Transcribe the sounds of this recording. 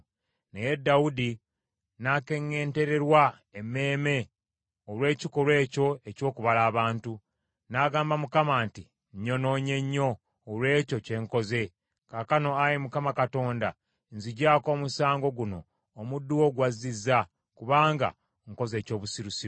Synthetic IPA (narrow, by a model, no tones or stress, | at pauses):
ne̞je̞dːaudi | nake̞ŋːe̞ːnte̞ɾe̞ɾwa | eme̞ːme̞ | olwe̞ːciko̞lwe̞ːco̞e̞co̞ːkuβalaːβaːntu | naɡaːmbamukamaːnti | ɲːo̞no̞ːɲe̞ɲːo̞ː | lwe̞ːco̞ce̞ŋko̞ze̞ | kakano̞ajimukamakato̞ːnda | nziɟaːko̞ːmusaːŋɡo̞ɡuno̞̰ː | mudːuwo̞ɡwazizːa | kuβaːŋɡa̰ | ŋko̞ze̞ːco̞ːβusiɾusiɾu